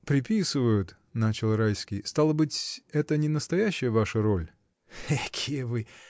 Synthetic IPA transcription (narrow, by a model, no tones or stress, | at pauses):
pɾʲɪpʲisɨvəjʊt̪ | nat͡ɕɪlˠrajskʲɪjst̪alˠəbɨtʲɛt̪ənʲɪnəst̪ɐjæɕːɪjəvaʂəɾo̞lʲ | akʲʰijəvɨ